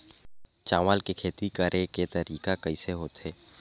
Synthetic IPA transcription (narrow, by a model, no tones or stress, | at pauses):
t͡ʃaːʋaːlkekʰeːt̪ikəɾʔeket̪ɐɾiːkakɐiseɦoːt̪ɦeː